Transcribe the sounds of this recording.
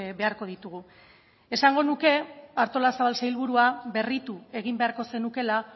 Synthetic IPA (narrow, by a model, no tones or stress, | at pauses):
be̞aɾko̞ð̞it̪uɣu | e̞saŋɡo̞nuke̞aɾt̪o̞lasaβ̞alsajlβ̞uɾuabe̞rit̪ue̞ɣ̞imbe̞aɾko̞se̞nuke̞la